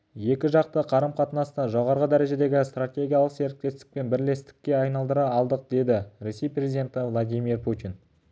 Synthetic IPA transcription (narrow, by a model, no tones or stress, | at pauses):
je̞kʲɪʒɑq̚t̪əqʰɑɾəmqʰɑt̪nɑst̪ɑʒo̞ʁɑɾʁəd̪æɾe̞ʒe̞d̪e̞ɡʲɪst̪ratʲe̞ɡʲijalˠəqse̞ɾɪk̚t̪e̞st̪ɪ̥k̚pe̞nbɪɾle̞st̪ɪ̥kʲːe̞ɑjnɑlˠd̪əɾɑːlˠd̪əq̚d̪e̞d̪ɪɾe̞se̞jprezid̪ʲe̞nt̪ɪvlˠad̪ʲijmirpʰut̪ʲin